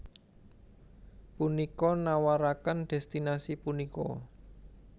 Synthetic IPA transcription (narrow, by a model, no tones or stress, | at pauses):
punikɔnawaɾakənd̪̥ɛ̤st̪inasipunikɔ̰